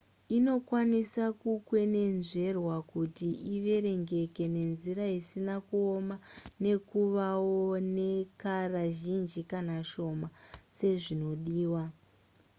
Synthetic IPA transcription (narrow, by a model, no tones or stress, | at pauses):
ino̞kwanisakukwe̞ne̞nʐe̞rwakutiiʋe̞ɾe̞ŋɡe̞ke̞ne̞nziɾaisinakuo̞mane̞kuʋawone̞karaʒind͡ʒikanaʃo̞mase̞ʐino̞ɗiːwa